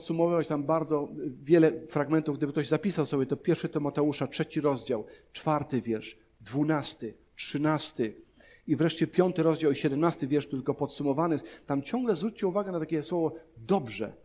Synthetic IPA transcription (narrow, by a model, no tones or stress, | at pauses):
pt̪sumɔvɨvat͡ɕt̪ambaɾd̪zɔvʲjɛlɛfɾaɡmɛnt̪ufɡd̪ɘbɘkt̪ɔʑzapʲisawsɔbʲjɛt̪ɔpʲjɛɾfʂɘt̪ɪmɔt̪ɛuʂatʂɛt͡ɕiɾɔzd͡ʑawt͡ʂfaɾt̪ɘvʲjɛɾʂ | d̪vunast̪ɘ | tʂɘnast̪ɘ | ivɾɛʂt͡ɕɛpʲjɔnt̪ɘɾɔzd͡ʑawiɕɛd̪ɛmnast̪ɘvʲjɛɾʂt̪ɘlkɔpɔt̪sumɔvanɘt̪amt͡ɕɔ̃ŋɡlɛzvɾut͡ɕ̚t͡ɕɛuvaɡɛnat̪akʲɛswɔvɔd̪ɔbʐɛ̰